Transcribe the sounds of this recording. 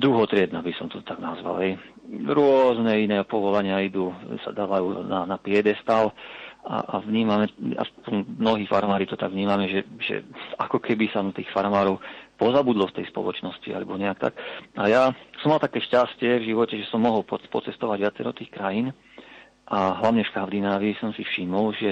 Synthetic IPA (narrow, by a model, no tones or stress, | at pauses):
d̪ɾuɦɔt̪ɾɪɛd̪nabisɔmt̪ɔt̪aɡnazʋa̰lɦɛjɾʊɔznɛinɛːpɔʋɔlaɲɪaid̪uːsa̰d̪aːʋajuːnanapɪɛd̪ɛst̪aːla̰ʔaʋɲiːmamɛja̰sppɔnmːnɔɦiːfa̰ɾmaːɾiːt̪ɔt̪aɡʋɲiːmamɛʒɛʒɛ̰akɔkʰɛbisant̪iːxfaɾmaːɾɔʊpɔzabud̪lɔft̪ɛ̰jspɔ̰lɔt͡ʃnɔscia̰lɛbɔɲɛjakt̪a̰kajaːsɔmːalt̪akɛːʃcascɪɛvʒiʋɔcɛʒɛsɔmːɔɦɔlppɔ̰t͡sɛst̪ɔʋaɟʋɪat͡sɛɾɔt̪iːxkɾajin | ʔaɦlaʋɲɛfkavd̪inaːʋiːsɔmsifʃimɔlʒɛ